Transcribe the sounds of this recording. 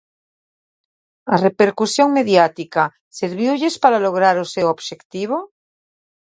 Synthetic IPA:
arepeɾkusjoŋmeðjat̪ika | seɾβiwʎespaɾaloɣ̞ɾaɾosewoβʃekt̪iβ̞o

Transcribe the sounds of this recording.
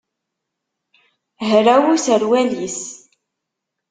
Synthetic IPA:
ɦɾæwusəɾwælis

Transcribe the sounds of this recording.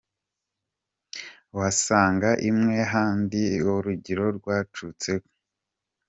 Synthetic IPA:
wasaːŋɡaʔimŋe̞ɦaːndiwoɾuɟiɾo̞ɾɡwaːt͡ʃut͡se̞ko̥

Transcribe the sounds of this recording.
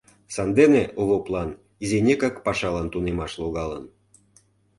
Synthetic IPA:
sɑnd̪eneoβoplɑn | izenʲekɑkpɑʃɑlɑnt̪unemɑʃloɣɑlə̰n

